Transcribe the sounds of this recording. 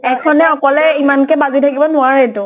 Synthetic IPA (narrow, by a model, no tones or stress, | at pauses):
ɛkʰɔnɛɔkɔlɛimankɛbazitʰakibɔnʊaɹɛtʊ